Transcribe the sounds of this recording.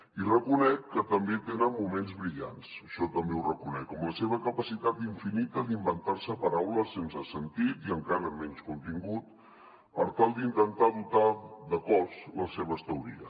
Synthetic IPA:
irəkunɛkːət̪əmbet̪enənmumenzβɾiʎa̰nsəʃɔt̪əmbewrəkunɛkəmləseβəkəpəsit̪at̪iɱfinit̪əd̪imbənt̪aɾsəpəɾawləsensəsənt̪it̪iəŋkaɾəːmːɛɲskunt̪iŋɡut̪̚ | əɾt̪alˠd̪int̪ənt̪aðut̪aðəkɔzləseβ̞əst̪əuɾḭə

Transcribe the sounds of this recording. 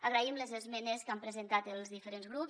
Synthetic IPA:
əɣɾəimləzəzmɛnəskampɾəzent̪at̪əlˠzðifəɾenzɣɾup

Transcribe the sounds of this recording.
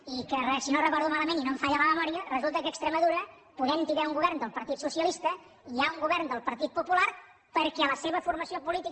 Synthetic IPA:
ikərəsinorəkɔɾðumaləmeninoɱfaʎələməmɔɾiərəzulˠt̪əkəːkst̪ɾəməðuɾə | puðɛmt̪iðauŋɡuβɛɾnd̪əlˠpəɾt̪it̪susiəlist̪ə | iauŋɡuβɛɾnd̪əlˠpəɾt̪it̪̚pupulaɾ | pəɾkɛələseβəfuɾməsiopulit̪i

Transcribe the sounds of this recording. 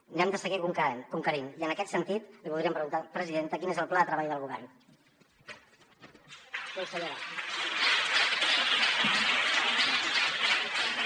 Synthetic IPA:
nɛmd̪əsəɣikuŋknkuŋkəɾiniənəkɛt̪sənt̪it̪liβulðɾiəmpɾəɣunt̪apɾəziðent̪əkinezəlˠplaðət̪ɾəβaʎðəlˠɣuβɛrn | kewsəʎoɾa

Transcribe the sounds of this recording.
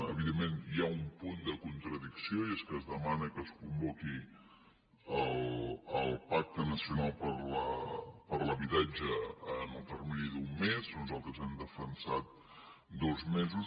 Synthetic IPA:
ə̰βiðemːenjaumpund̪əkunt̪ɾəðiksioieskəzðəmanəkəskumbɔki | əlˠəlˠpak̚t̪ənəsiunalˠpəɾləpəɾləβit̪ad͡ʒəənəlˠt̪ərminiðumːeznuzalˠt̪ɾəzɛmd̪əfənsat̪̚ | d̪ɔzmezus

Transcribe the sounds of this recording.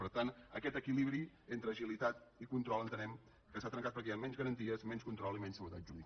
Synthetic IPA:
pəɾt̪anəkɛt̪əkiliβɾi | ent̪ɾəʒilit̪at̪ikunt̪ɾɔlˠənt̪ənɛm | kəsat̪ɾəŋkat̪pəɾk̬ejammɛnzɣəɾənt̪iəzmɛnskunt̪ɾɔlˠimɛnsəβət̪ad͡ʒuβi

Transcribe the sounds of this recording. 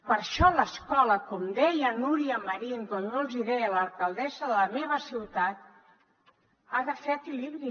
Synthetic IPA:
pəɾʃɔləskɔləkɔmd̪ɛjənuɾiəməɾink̪onːolˠziðɛələlˠkəlˠd̪ɛsəðələmeβəsiwt̪at̪̚ | aðəfɛəkiliβɾi

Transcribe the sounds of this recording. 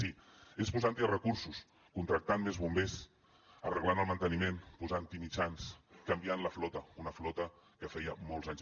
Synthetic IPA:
siespuzant̪irəkuɾsus | kunt̪ɾək̚t̪anmezβumbes | ərəɣlanəlˠmənt̪ənimenpuzant̪imit͡ʃanskəmbianləflɔt̪əunəflɔt̪ə | kəfɛjəmɔlˠzaɲz

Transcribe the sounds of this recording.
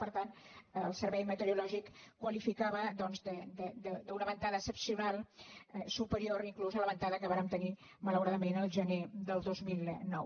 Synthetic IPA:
pəɾt̪anːlˠsəɾβɛjmət̪əɾulɔʒikkːwəlifikaβəd̪ɔnzd̪əd̪əd̪əd̪əunəβənt̪aðəsəpsiunalˠsupəɾioɾiŋkluzələβənt̪aðəkəβaɾəmt̪əni | mələwɾaðəmenəlˠʒəned̪əlˠd̪ozmilˠnɔw

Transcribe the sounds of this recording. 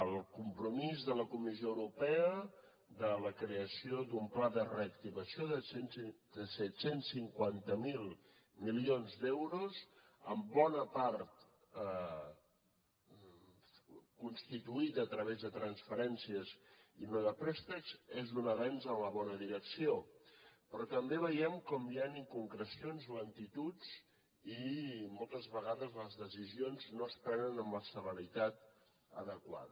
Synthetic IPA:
əlˠkumpɾumizðələkumizioəwɾupɛə | ðələkɾeəsiod̪umplaðərəːk̚t̪iβəsioðəd̪əsɛt̪sensːiŋkwant̪əmilˠ | milionzd̪ɛwɾuz | əmbɔnəpaɾt̪ | kunst̪it̪uit̪əːt̪ɾəβezðət̪ɾənsfəɾɛnsiəzinoðəpɾɛst̪əkzezðunəβɛnzənləβɔnəðiɾəksiopɾɔt̪əmbeβ̞əjɛmkɔmjaniŋkuŋkɾəsionzoənt̪it̪ut͡s | imɔlˠt̪əzβəɣ̞aðəzləzðəsizionznoəspɾɛnənəmləsələɾit̪at̪̚ | ə̰ðəkwa̰ðə

